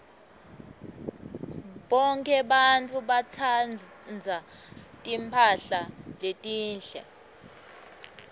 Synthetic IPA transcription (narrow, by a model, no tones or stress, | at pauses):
ɓɔŋkʰʼɛɓantʼuɓat͡sʰannd͡zʱatʼimpʰaɬaletʼiːnɬɛ